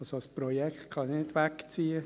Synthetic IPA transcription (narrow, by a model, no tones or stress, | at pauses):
ɑsoəspɾɔjɛkχt̪kʰɑnɪdʋækt͡siːə